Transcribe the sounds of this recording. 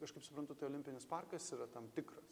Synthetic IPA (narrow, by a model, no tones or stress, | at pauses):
kɐʃkɐɪpsʊ̥pɾɐnt̪ʊt̪ɐɪoːlʲɪmʲpʲɪnʲɪspɑrkɐsiːɾɐt̪ɐmt̪ʲɪkɾɐs